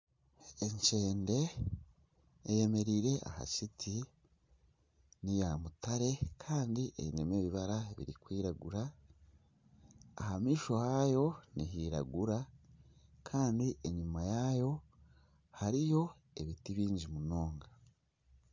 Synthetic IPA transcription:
e̞ɲt͡ʃe̞ːnde̞ | je̞me̞ɾiɾe̞ʔa̰ha̰t͡ʃitʰi | nijamutaɾe̞kʰaːndiʔḛβinemeːβiβaɾaβḭɾikwiːɾaɡuɾa | hamiːʃo̞hajo̞niɦiːɾa̰ɡuɾa | kʰaːndiʔeɲumajajo̞ | haɾijo̞ | e̞βitiβiːɲɟimuno̞ːŋɡa

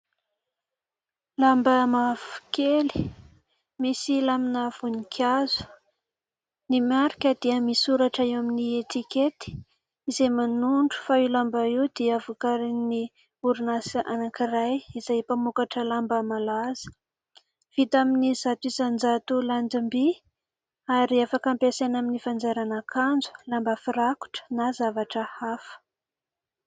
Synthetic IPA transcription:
lambəmavu̥keli̥ | misilaminav̥unikʰazu̥ | nimaɾikʲəd̪iəmisuɾaʈ͡ʂaewaminiet̪iket̪i̥ | izemanuɳɖ͡ʐu̥failambaiwd̪̥ivukaɾini | uɾunasʔa̰nakirajizajpamukaʈ͡ʂəlambəmalaz̥ə̥ | v̥it̪aminizat̪uizand͡zat̪uland̪imbi | aɾiafakampesanaminifand͡zeɾanakʰand͡zu̥lambəfiɾaku̥ʈ͡ʂə̥nazavaʈ͡ʂəhafə̥

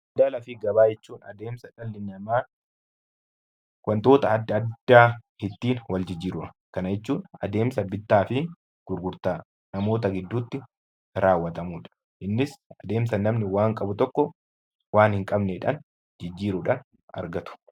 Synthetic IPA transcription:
ɐd̪aːlɐfɪɡɐbaːd͡ʒɛt͡ʃːuːnɐd̪eːmsɐᶑɐlːɪnɐmaː | kɐnt̪o̞ːt̪ɐɐd̪ːɐːd̪ːaːhɪt̪ːiːnwɐld͡ʒɪd͡ʒːiːɾʊᶑɐ | kɐnɐjɛt͡ʃːuːnɐ̰d̪e̞ːmsɐbɪt̪ːaːfɪ | ɡ̥ʊɾɡʊɾt̪aː | nɐmo̞ːt̪̬ɐɡɪd̪ːuːt̪ːɪ | ɾaːwːɐt̪ɐmuːᶑɐ̥ | ʔɪnːɪsɐd̪e̞ːmsɐnːɐmnɪwaːŋkʼɐbʊt̪ɔkːɔ | waːnhɪŋkʼɐbnɛᶑɐ̰n | d͡ʒɪd͡ʒːiːɾʊᶑɐn | ɐ̰ɾɡɐt̪ʊ̥

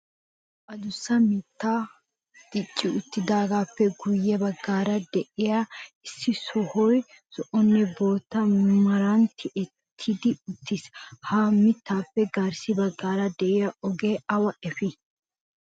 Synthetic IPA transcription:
ʔɐd̪ʊsːɐmɪt̪ːaː | d̪̥ɪt͡ʃʼːɪʊt̪ːɪd̪aːɡaːpːɛɡʊjːɛbɐɡːaːɾɐd̪ɛʔɪjaɪsːɪsɔhɔj | sɔʔɔnːɛbo̞ːt̪ːɐmɐɾɐnt̪ʰːɪʔɛ | t̪ʰːɪd̪ɪʊt̪ʰːɪshamɪt̪ːaːpːɛɡɐɾsɪbɐɡːaːɾɐd̪ɛʔɪjaʔɔɡeːɐwɐʔɛfɪ

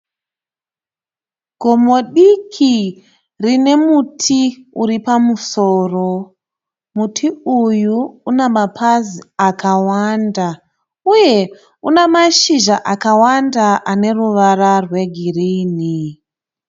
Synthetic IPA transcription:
ɡ̥ʱomo̞ɗikʰi | rine̞mutʰiuɾipamusoːro̞ | mutʰiujuːnemapʰaziakʰawanda | uje̞ | unemaʃiʒaʔakawandaʔane̞ruʋararwe̞ɡʱiriːni

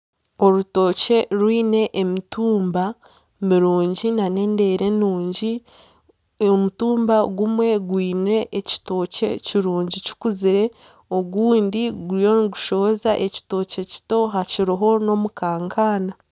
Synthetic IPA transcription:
o̞ɾuto̞ːce̞ɾwiːne̞ʔːmituːmba | miɾuːɲɟinane̞ːnde̞ːɾenuːɲɟi | omutuːmbaɡumwe̞ɡwiːne̞ʔːci̥to̞ːce̞̰ciɾuːɲɟici̥kuziɾe̞ | o̞ɡuːndiɡuɾijo̞niɡuʃo̞βozaʔeci̥to̞ːce̞ci̥to̞ɦaciɾiɦo̞no̞mukaːŋkʰaːna

